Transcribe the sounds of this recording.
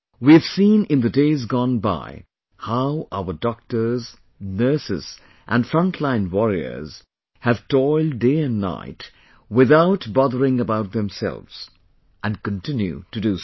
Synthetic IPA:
wiɨv̥sĩnɪ̃nðɨdeɪzɡɔ̃nba̰ɪ | haʊʔa̰ʊə˞dɔk̚tə˞z | nɜ˞sɨ̰s | ʔæ̃nfɹʌ̃ntʰlãɪ̃nwɔɹiə̰˞z̥ | hɨv̥tʰɔɪlˠdeɪɨ̃nːa̰ɪt | wɪðaʊtbɔðəɹɪ̃ŋəbaʊt̪̚ðɛ̃msɛ̰lˠvz̥ | ʔɨ̃nkɨ̃ntʰɪ̃njʉ̰tɨdɨ

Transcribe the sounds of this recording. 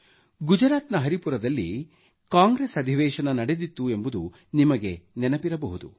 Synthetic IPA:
ɡud͡ʒɾaːt̪nɐɦɐɾipuɾɐd̪ɐlːi | kaːŋɡɾesɐd̪ʱiʋɛːʃɐnɐnɐɽe̞d̪it̪ːue̞mbud̪u | nimɐɡe̞nɛnɐpiɾɐbɐɦud̪ṵ

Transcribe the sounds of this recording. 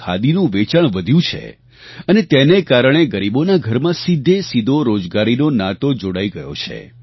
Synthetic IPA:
a̰d̪inũʋet͡ʃəɳʋəd̪ʱjũt͡ʃʰḛ | ənet̪enekaɾəɳ̃eɡəɾibonaɡʱəɾmãsid̪ʱːesid̪ʱoɾod͡ʒɡaɾinonat̪od͡ʒoɽaiɡəjo̰t͡ʃʰḛ

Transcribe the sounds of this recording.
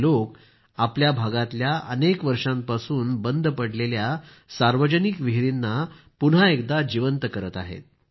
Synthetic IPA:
lok | apljabʱaɡat̪ljaʔə̰nekʋəɾʂãmpasuːnbənd̪ʱpəɽlelja | saɾʋəd͡ʑənikʋiɦɾinːa | pun̤aek̚d̪ad͡ʑiʋənt̪əkəɾət̪a̰ɦḛt̪̚

